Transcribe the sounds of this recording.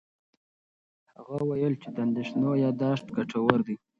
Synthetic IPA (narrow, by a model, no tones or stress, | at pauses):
haɣawajəlt͡ʃet̪and̪ɪʃnojɑd̪ɑʂt̪ɡaʈʰawaɾd̪i